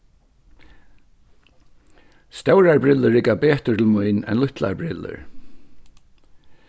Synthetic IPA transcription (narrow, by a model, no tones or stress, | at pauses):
st̪œwɹaɹbɹɪlːəɹɪkabɛːt̪ət̪ʰɪlmujnɛ̰nlʊht̪la̰ɹbɹɪlːə̰ɹ